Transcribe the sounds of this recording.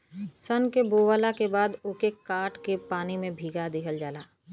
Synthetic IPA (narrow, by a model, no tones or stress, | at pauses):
sənkeboːwaːlakebaːd̪ʊːkekaːʈkepaːnimẽbʱiːɡad̪ɪkʰəld͡ʒaːlaː